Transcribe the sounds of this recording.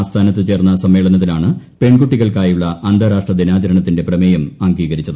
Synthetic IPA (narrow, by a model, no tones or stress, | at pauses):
st̪ʰaːnɐt̪ːɨt͡ɕe̞ːrnːɐsɐmʋe̞ːɭɐnɐt̪̬ːilaːɳɨ | pe̞ɳɡuʈːiɣɐɭkaːjuɭːɐʔɐnd̪ʱɐɾaːʂʈrɐd̪inaːd͡ʑɐɾɐɳɐt̪ːinde̞prɐmejɐmɐŋɡiːɣɐɾit͡ɕːɐðɨ